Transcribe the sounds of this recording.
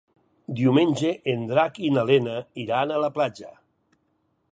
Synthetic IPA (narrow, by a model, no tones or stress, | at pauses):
d̪iumenʲd͡ʒeʔend̪ɾakinalenaiɾanalaplad͡ʒa̰